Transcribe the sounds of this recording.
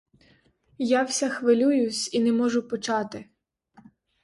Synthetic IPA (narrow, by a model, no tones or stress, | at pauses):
jawsʲaxʋɪlʲujʊsʲinɛmɔʒʊpɔt͡ʃɑt̪ɪ